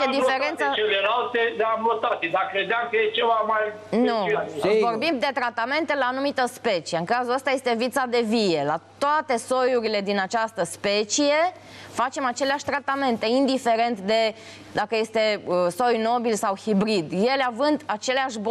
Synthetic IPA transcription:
ed̪ifeɾent̪sət͡ʃelelalt̪ed̪eabot̪at̪id̪akɾe̞d̪eamkəjet͡ʃevamajnuvo̞rbimbd̪e̞t̪ɾat̪ame̞nt̪e̞laːnumit̪əspe̞t͡ʃie̞ɨŋkazuləst̪aje̞st̪e̞vit̪sad̪e̞vije̞lat̪oat̪e̞so̞juɾile̞d̪inat͡ʃast̪əspe̞t͡ʃije̞ | fat͡ʃe̞mat͡ʃe̞leaʃʲt̪ɾat̪ame̞nt̪e̞ind̪ife̞ɾe̞nt̪d̪e̞ | d̪akəje̞st̪e̞əso̞jno̞bilsawhibɾid̪je̞leavɨnd̪at͡ʃe̞leaʃb

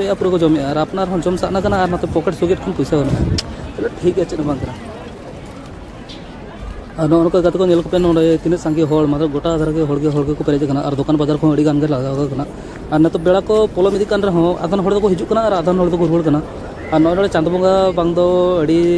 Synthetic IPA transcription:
ɛjʔapuɾakɔd͡ʒɔmɛʔaɾapnaɾɛɦɔ̃d͡ʒɔmsaʔnakanaːɾnat̪ɔpɔkɛʈsuɡɛʈ̚kʰanpujsaɡɔnɔʔa̰t̪ɛlɛʈʰik̚at͡ʃːit̪nabãnd̪kana | aɾnɔʔnɔkɔd̪ɡat̪ikɔnɛlkɔpɛnɔ̃ɖɛt̪inɛt̪̚saŋɡiɦɔɭmat̪ɾɔb̚ɡɔʈad̪ʱaɾakɛɦɔɭɡɦɔɭɡɛkɔpɛɾɛd̪ɛkanaʔaɾd̪ɔkanbad͡ʒaɾkɔɦɔ̃əɽiɡanɡaɾlaɡ̪akakanaː | ɾnat̪ɔbɛɭakɔpɔlɔmid̪ikːanɾɛɦɔ̃a̰d̪ʱanɦɔɭd̪ɔkɔɦid͡ʒuʔkanaːɾad̪ʱanɦɔɭd̪ɔkɔɾuɭkanaː | ɾnɔnɔɽɛt͡ʃãnd̪bɔŋɡabaŋd̪ɔəɽi

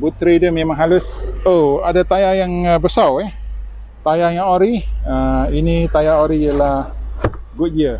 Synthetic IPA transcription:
but̪ɾidəmːemaŋɦalʊsoadat̪ajajaŋəbəsawɛh | t̪ajajaŋoɾiəinit̪ajaoɾijalahɡʊt̪̚d͡ʒia

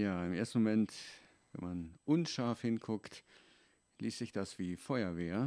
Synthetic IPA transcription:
jaːɪmeːɐstn̩momɛnt | vɛ̰nmanʔʊnʃaɐfhɪnkʰʊkt | liːstz̥ɪçd̥asv̥iːfɔʏɐveːɐ

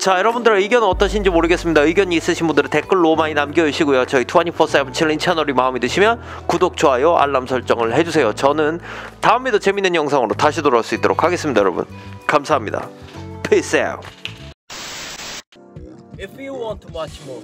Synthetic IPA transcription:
t͡ɕajʌɾʌbundɯɾaiɡjʌnʌt͈ʌɕʰind͡ʑimoɾɯɡes͈ɯmɲidaɯɭɡjʌɲiiːs͈ɯɕʰinbundɯɾɯtek͈ɯɭːomaɲinamɡʌɯɭɕʰiɡojot͡ɕʌitʰuaɲipʰʌs͈abɯnt͡ɕʰiɭint͡ɕʰanʌɾimaɯmidɯɕʰimjʌn | kudok̚t͡ɕʰoɦajʌʔa̰ɭːamsʰʌɭt͡ɕ͈ʌŋɯɭhe̞d͡ʑusʰe̞jot͡ɕʌnɯntaɯmedot͡ɕe̞minɯnjʌŋsʰaŋɯɾotaɕʰidoɾaɭs͈uit͈oɾo̰kʰaɡe̞s͈ɯmɲidajʌɾʌbṵnkamsʰaɦamɲida̰pʰes͈ḛ | fjuwntʰum

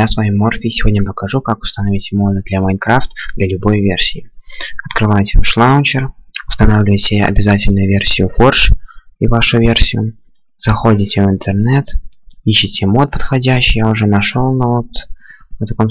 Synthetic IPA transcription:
jasvɐjimːorfʲiːsʲɪvʲo̞dʲnʲəpəkɐʐukakʊ̥st̪ɐnɐvʲitʲɪmo̞d̪ɨd̪lʲamɐjnkɾaft̪d̪lʲɐlʲʊbo̞jvʲersʲɪɪɐt̪kɾɨvajɪtʲɪʂlˠaʊnʲt͡ɕɪrʊst̪ɐnavlʲɪvəjsʲɐ̰bʲɪzatʲɪlʲnʊjʊvʲe̞rsʲɪjʊfo̞rʂivaʂʊvʲersʲɪjʊ | z̥ɐxo̞dʲɪtʲɪvɨnt̪ɨrnɛt̪iɕːɪtʲɪmo̞t̪̚pə̥t̪xɐdʲæɕːɪjaʊʐɛnɐʂolˠnɐot̪nət̪ɐko̞m

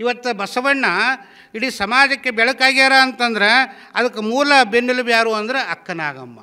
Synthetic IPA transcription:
iʋɐt̪ːubɐsɐʋɐɳːɐ | iɽisɐmaːd͡ʒɐkːebɛɭɐkaːɡiaːɾaːnt̪ɐnd̪ɐɾe̞ | ɐd̪ɐkːemuːlɐbenːilubjaːɾuːɐnd̪ɐɾeɐkːɐna̰ːɡɐ̰mːɐ̰

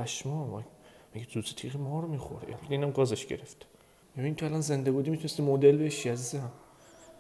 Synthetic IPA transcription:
æʃmɒmæ̰mæɡizuːset̪ʰiʁimɒːɾomixo̰ɾḛḛlbæt̪einæmɡɒːzeʃɟe̞̰ɾeft̪ | mibiint̪ʰoælɒnze̞nd̪ebuːd̪imit̪ʰunest̪imod̪elbeʃiæzizæm

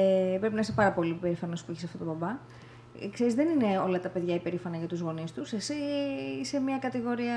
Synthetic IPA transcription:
pɾepinɐisepɐɾɐpo̞lipe̞ɾifɐno̞spuiçisɐft̪o̞t̪o̞bɐbɐ | kse̞ɾizðenine̞o̞lɐt̪ɐpe̞ðʝɐipe̞ɾifɐnɐʝɐt̪uzɣo̞nist̪use̞siːse̞mɲɐkɐt̪iɣo̞ɾiɐ

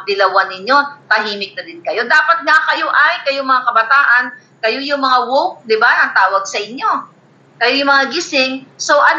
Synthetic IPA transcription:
d̪ɪlɐwanɪɲjo̞t̪ɐɦiːmɪk̚nɐd̪ɪnkɐjo̞d̪aːpɐt̪̚ŋakɐjoʔajkɐjomɐŋakɐbɐt̪aːʔɐn | kɐjo̞jʊŋmɐŋawowk̚d̪ɪbaʔɐŋt̪aːwɐɡ̚sɐʔɪɲjo̞ | kɐjojʊŋmɐŋaɡɪsɪŋso̞ʔɐ

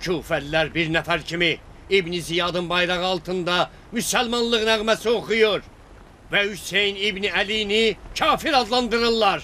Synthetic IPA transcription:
cʰuːfællæɾbiɾnæfæɾcʰimi | ibnizijɑd̪ɯnbɑjɾɑʁɯɑlˠt̪ʰɯnd̪ɑ | mysælmɑnlˠɯʁnæɣmæsioχujuɾ | væhysejnibniælijnicʰɑːfiɾɑd̪lˠɑnd̪ɯɾɯlˠːɑɾ

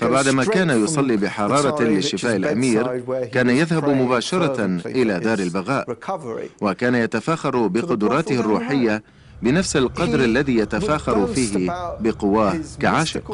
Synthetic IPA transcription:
fabaʕd̪maːkaːnajʊsˤɑlːiːbɪħɑɾˤɑːɾˤɑlɪʃːɪfaːʔɪlʔa̰miːɾkaːnajaðhabmʊbaːʃɑɾˤɑʔɪlaːd̪aːɾɪlbaɣaːʔ | wakaːnajat̪afaːxɑɾˤbɪqʊd̪ʊɾˤɑːt̪ɪharˤːuːħɪjːa | bɪnafsalqɑd̪ɾalːaðiːjat̪afaːxɑɾˤfiːɦɪbɪqʊwaːkaʕaːʃɪ̰q

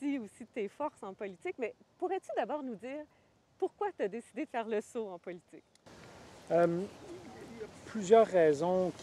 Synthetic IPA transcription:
iusit̪efɔʁsɑ̃pɔlit̪ɪkmɛpuʁɛt̪yd̪abɔːʁnud̪iːʁ | puʁkwat̪yad̪esid̪ed̪əfɛːʁləsoɑ̃pɔlit̪ɪk | əm | japlyzjœːʁːɛzɔ̃kʲ

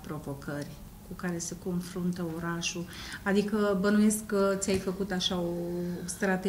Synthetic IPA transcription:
pɾo̞vo̞kʰərʲ | kukaɾe̞se̞ko̞nfɾunt̪əo̞ɾaʃuad̪ikəbənuje̞skːət̪sʲajfəkut̪aʃaost̪ɾat̪e

